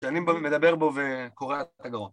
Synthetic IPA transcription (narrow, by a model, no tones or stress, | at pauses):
ʃanimbomed̪abe̞ʁbo̞vekoʁeat̪aɡaʁo